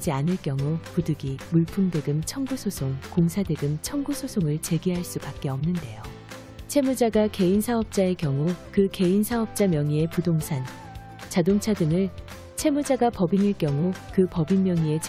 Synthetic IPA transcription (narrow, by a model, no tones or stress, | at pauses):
d͡ʑianɯɭk͈jʌŋupudɯɡimuɭpʰumdeɡɯmt͡ɕʰʌŋɡusʰosʰoŋkoŋsʰadeɡɯmt͡ɕʰʌŋɡusʰosʰoŋɯɭt͡ɕe̞ɡiɦaɭs͈upak̚k͈e̞ʌmnɯnde̞jo | t͡ɕʰe̞mud͡ʑaɡake̞insʰaɦʌp̚t͡ɕ͈ae̞kjʌŋukɯke̞insʰaɦʌp̚t͡ɕ͈amjʌŋie̞pudoŋsʰan | t͡ɕadoŋt͡ɕʰadɯŋɯɭ | t͡ɕʰe̞mud͡ʑaɡapʌbiniɭk͈jʌŋukɯpʌbinmːjʌŋie̞t͡ɕ